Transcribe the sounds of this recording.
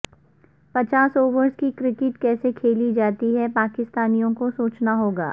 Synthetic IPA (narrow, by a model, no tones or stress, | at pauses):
pɐt͡ʃaːsoːʋəɾskikɾɪkɪʈkɛːsekʰeːlid͡ʒaːt̪iɦɛpaːkɪst̪aːnijõkosoːt͡ʃnaɦoːɡa̰ː